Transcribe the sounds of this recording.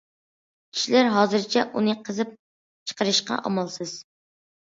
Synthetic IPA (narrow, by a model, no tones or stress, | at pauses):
kʲʰi̥ʃilæɾɦɑːzɨɾt͡ʃʰɛʔunɨqʰəzɨp̚ | t͡ʃʰə̥qʰəɾɨʃqɑ̰ʔɑ̰mɑlˠsɨz̥